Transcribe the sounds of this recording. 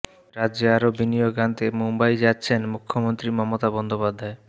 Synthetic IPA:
ɾad͡ʑeaɾobinijoɡant̪emumbajd͡ʑatːɕʰenmukʰːomont̪ɾimɔmot̪abɔnd̪opad̪ʱːae

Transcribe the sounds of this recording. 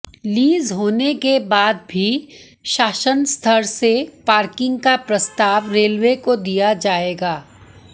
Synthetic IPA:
liːzɦoːnekebaːd̪̚bʱi | ʃaːʃənst̪ʰəɾsepaːɾkɪ̃ŋɡ̚kapɾɐst̪aːʋɾeːlʋekod̪ijad͡ʒaːeːɡaː

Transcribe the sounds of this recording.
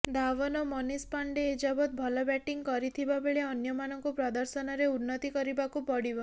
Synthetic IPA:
d̪aʋɔnɔmɔnispaɳɖeːd͡ʒabɔt̪̚bʱɔlɔbɛʈiŋkɔɾit̪ʰibabeɭeɔnjɔmanɔŋkupɾɔd̪ɔɾsɔnɔɾeunːɔt̪ikɔɾibakupɔɽibɔ

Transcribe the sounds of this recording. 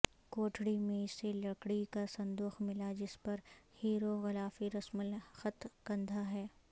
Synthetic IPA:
koːʈʰɽimẽɪselɐkɽikasɐ̃nd̪uːxmɪlad͡ʒɪspɐɾhiːɾoɣɪlaːfiɾɐsməlxɐt̪kɐ̃nd̪ʱaɦɛː

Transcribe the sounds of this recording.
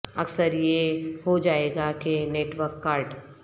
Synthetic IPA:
ɐksəɾjehod͡ʒaːeːɡakeneːʈʋəɾkːaːɾɖ

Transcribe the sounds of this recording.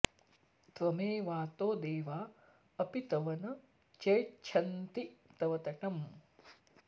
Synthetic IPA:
t̪ʋɐmeːʋaːt̪oːd̪eːʋaː | ɐpit̪ɐʋɐnɐ | t͡ʃɐjt͡ʃʰɐnt̪it̪ɐʋɐt̪ɐʈɐm

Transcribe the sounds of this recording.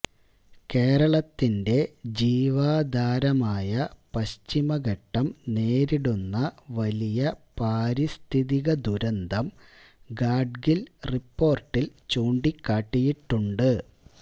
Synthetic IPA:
ke̞ːɾɐɭɐt̪ːinde̞d͡ʑiːʋaːd̪ʱaːɾɐmaːjɐpɐɕt͡ɕimɐɡɐʈːɐmne̞ːɾiɽunːɐʋɐlijɐpaːɾist̪ʰiðiɣɐd̪uɾɐnd̪ʱɐm | ɡaːɖɡilripːo̞ːrʈːilt͡ɕuːɳɖikːaːʈːijiʈːuɳɖɨ

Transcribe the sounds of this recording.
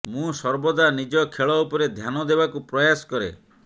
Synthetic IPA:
mũsɔɾbɔd̪anid͡ʒɔkʰeɭɔupɔɾed̪ʱjanɔd̪ebakupɾɔjasɔ̥kɔɾḛ

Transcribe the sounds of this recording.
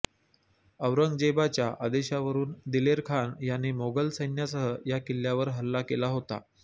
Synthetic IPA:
əwɾəŋɡd͡ʑebat͡ɕjaʔad̪eɕaʋəɾuːnd̪ileɾkʰanjanːimoɡəlsəjnjasəɦəjakilːjaʋəɾɦəlːakelaɦot̪a̰

